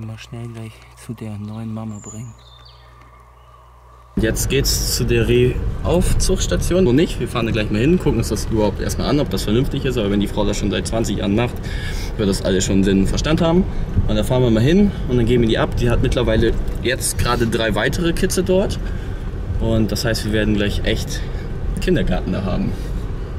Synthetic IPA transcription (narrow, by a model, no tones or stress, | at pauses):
maʃnɛlɡlaɪç | t͡sudeːɐnɔʏənmamabʁɪŋn | ntjɛt͡stɡ̥eːtst͡sudeːɐʁeːʔaʊft͡sʊχʃtat͡sjoːnonɪçtviːɐfaːʁəndaːɡlaɪçmaːlhɪnkʰʊkŋ̩ʊnsd̥asʔyːbɐhaʊptʔḛːɐstma̰ːlʔanɔp̚d̥asfɛɐnʏmftɪçɪstʔaːbɐvɛndiːfʁ̥aʊdasʃoːnzaɪt̚t͡sv̥ant͡sɪçja̰ːʁənmaχtvɪɐdəd̥asʔa̰ləsʃoːnnzɪnnfɛɐʃtanthaːbm̩ʔʊnd̥aːfaːʁənviːɐɪmalɪnʊnd̥anɡeːn̩viːɐdiːʔapd̥iːhatmɪtlɐvaɪləjɛt͡stɡ̥ʁaːdədʁaɪvaɪtʰəʁ̞əkʰɪt͡sədɔɐt | ʔʊnt̚d̥ashaɪstv̥iːɐveːɐdn̩ɡlaɪçʔɛçt | kʰɪndɐɡaɐtn̩da̰ːɦa̰ːbm̩